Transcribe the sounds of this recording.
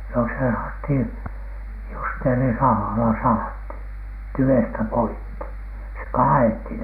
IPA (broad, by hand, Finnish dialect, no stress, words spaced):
no se sɑhɑthin̥ justeːrisɑhɑlɑ sɑhɑthin tyʋestæ poikːi se kɑːethin